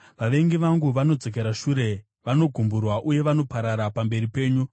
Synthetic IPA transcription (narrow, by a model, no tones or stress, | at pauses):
ʋaʋe̞ŋɡiʋaŋɡuʋano̞d͡zo̞k̬eɾaʃuɾe̞ | ʋano̞ɡʱumburwaʔuje̞ʋano̞paɾaɾapambe̞ɾipe̞ːɲu